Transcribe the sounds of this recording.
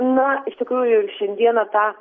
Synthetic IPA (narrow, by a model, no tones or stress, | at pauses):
nɐɪʃt̪ʲɪkɾuːjʊʃʲɛnʲd̪ʲiɛnɐt̪ɑː